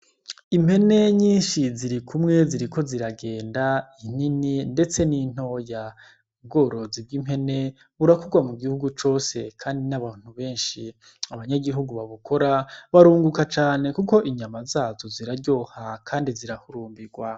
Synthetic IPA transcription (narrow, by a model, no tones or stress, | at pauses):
im̥he̞ne̞ɲiːnʃiziɾikʰumŋe̞ziɾiko̞ziɾaɡe̞ːndain̥ininde̞t͡se̞nin̥o̞ja | b̚ɡo̞ːɾo̞zibɡime̞ne̞ | βuɾakuɡwamuɡihuɡut͡ʃo̞se̞kʰaːndinaβaːn̥huβe̞ːnʃi | aβaɲaɡiɦuɡuβaβukʰo̞ɾaβaɾuːŋɡukat͡ʃaːne̞kuko̞ʔiɲamazaːzo̞ziɾaɾɟo̞ːhakʰaːndiziɾahuɾuːmbiɡwa